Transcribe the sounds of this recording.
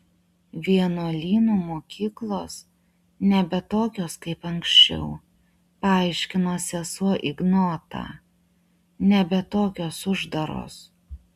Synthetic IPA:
ʋʲiɛnoːlʲiːnuːmoːkʲʰiːklˠoːs | nʲɛbʲɛt̪oːkʲoːskɐɪpɐŋksʲt͡ʃʲɛ̰ʊ | pɐɑˑɐɪʃʲkʲɪnoːsʲɛsuɔʔɪɡnoːt̪ɑ̰ː | nʲɛbʲɛt̪oːkʲoːsʊʒd̪ɐɾo̰ːs

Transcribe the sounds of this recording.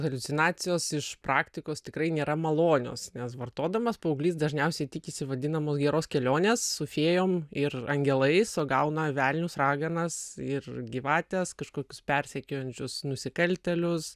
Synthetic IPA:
ɣɐlʲʊtt͡s̪ʲɪnɑːtt͡s̪ʲɪjoːsɪʃprɑːkt̪ʲɪkoːst̪ʲɪkɾɐɪnʲeːɾɐmɐlˠoːnʲo̰ːsnʲɛsʋɐrt̪oːd̪ɐmɐspɐʊɡlʲiːsd̪ɐʒʲnʲɛʊsʲɛɪt̪ʲɪkʲɪsʲɪʋɐd̪ʲɪnɐmoːsɡʲɛɾoːskʲɛlʲoːnʲeːsːʊfʲeːjoːmɪrɐŋʲɡʲɛlˠɐɪsoːɡɐʊnɐʋʲæːlʲnʲʊsrɑːɡɐnɐsɪrɡʲiʋɑːt̪ʲɛskɐʃkoːkʲʊspʲɛɾʲsʲɛkʲoːjɛnʲt͡ʃʲʊsnʊsʲɪkɐlʲt̪ʲɛlʲʊs

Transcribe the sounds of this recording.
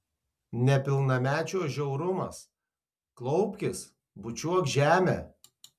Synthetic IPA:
nʲɛpʲɪlˠnɐmʲæːt͡ʃʲoːʒʲɛʊɾʊmɐ̰s | klˠɔʊpʲkʲɪs | bʊt͡ʃʲuɔkʒʲæːmʲḛː

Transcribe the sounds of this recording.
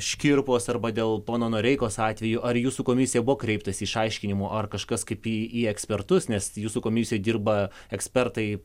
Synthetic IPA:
ʃʲkʲiɾpoːsɐrbɐd̪ʲeːlˠpoːnoːnoːɾʲɛɪkoːsɑːt̪ʲʋʲɛjuːʔɐrjuːsuːkoːmʲɪsʲɪjɛbʊʋoːkɾʲɛɪpt̪ɐsʲɪɪʃɐɪʃʲkʲɪnʲɪmoːʔɐrkɐʃkɐskɐɪpiiɛksʲpʲɛrt̪ʊsnʲɛsjuːsukoːmʲɪsʲɪjɛdʲiːrbɐ | ɛksʲpʲɛrt̪ɐɪ

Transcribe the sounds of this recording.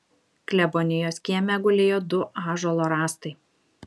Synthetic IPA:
klʲɛbɔnʲɪjoːsʲkʲiɛmʲɛɡʊlʲeːjoːd̪ʊʔɑːʒolˠoːɾɑːst̪ɐɪ

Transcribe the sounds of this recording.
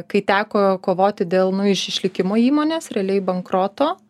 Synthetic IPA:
kɐɪt̪ʲæːkoːkoːʋoːt̪ʲɪd̪ʲeːlˠnʊɪʃɪʃʲlʲɪkʲɪmoːiːmoːnʲeːsɾʲɛɐlʲɛɪbɐŋkɾoːt̪oː

